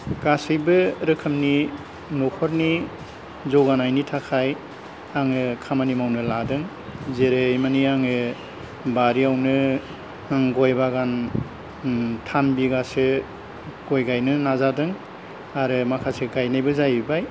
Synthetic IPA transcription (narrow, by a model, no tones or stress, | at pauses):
ɡ̥asɯjbɯɾɯkʰɯmni | nɔkʰɔɾni | zɔwɡanajnitʰakʰaj | aŋɯkʰamanimawnɯladɯŋ | zeɾejmaniaŋɯ | baɾiawnɯ | ŋɡɔjbaɡan | tʰanbiɡasɯ | ɡ̥ɔjɡajnɯnazadɯŋ | aɾɯmakʰaseɡajnajbɯzajbaj